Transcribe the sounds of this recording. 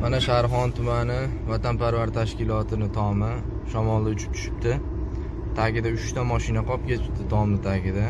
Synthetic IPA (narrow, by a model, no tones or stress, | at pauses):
manaʃaɾχɒnt̪ʰʊmanɪvat̪ʰanpaɾvaɾt̪ʰaʃkʲɪlɒt̪ʰɪnɪt̪ʰɒmɪ | ʃɒmɒlˠd̪aʊt͡ʃʰɪ̥p̚t͡ʃ̪ʰʊ̥ʃɪ̥p̚t̪ʰɪ | t̪ʰaɡʲɪd̪aʊʃt̪amɒʃɪnaqʰɒp̚kʲet̪ʰɪp̚t̪ɪt̪ʰɒmnɪt̪ʰaɡʲɪd̪a